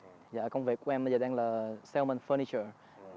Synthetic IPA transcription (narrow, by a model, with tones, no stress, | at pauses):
jaː˧˨kə˧wŋ͡mvḛ˨˩ku˨˧˦ʔɛ˧ma˧zəː˨˩ɗɛː˧ŋlaː˨˩sɛ˧lmə˨nfəː˧ni˧t͡ʃə˨˩